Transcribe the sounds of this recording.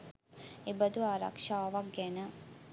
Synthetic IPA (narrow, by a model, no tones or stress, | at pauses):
ebəd̪uaːɾa̰kʂaːʋɐk̚ɡɛnə